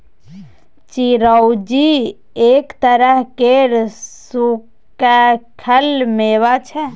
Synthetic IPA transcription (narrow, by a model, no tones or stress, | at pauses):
t͡ʃiɾəwd͡ʒi | ekt̪əɾəɦkeɾsu | kakʰəlmeβat͡ʃʰɛ